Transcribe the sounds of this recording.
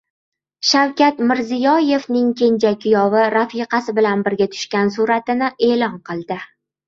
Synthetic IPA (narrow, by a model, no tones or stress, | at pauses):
ʃawkʲat̪mɪɾzɪjɒje̞vnɪŋkʲʰe̞nt͡ʃʰakʲʰːʊjɒvɪɾafiqʰɑsɪbɪlanbɪɾɡʲat̪ʰʊ̥ʃkʲansʊɾat̪ɪnɪʔe̞ːlɒnqʰɨlˠd̪ɪ